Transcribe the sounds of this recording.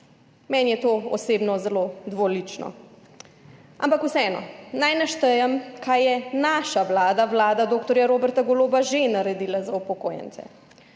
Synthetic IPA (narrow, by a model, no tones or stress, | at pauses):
mɛnjɛt̪oːɔ̰seːbnɔzɛlod̪ʋɔlit͡ʃnɔ̰ | a̰mpakusɛɛːnɔ̰najnaʃt̪əjəmkʰaːjjɛnaːʃaʋlaːd̪aʋlaːd̪ad̪oːkt̪ɔɾjaɾoːbɛɾt̪aɡɔloːbaʒenaɾɛd̪iːlazaupɔkoːjɛ̰nt̪sɛ̰